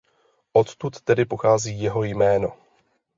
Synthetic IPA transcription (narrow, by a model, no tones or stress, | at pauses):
ʔo̞t̪t̪ut̪ːɛdɪpo̞xaːziːjɛɦo̞jmɛːno̞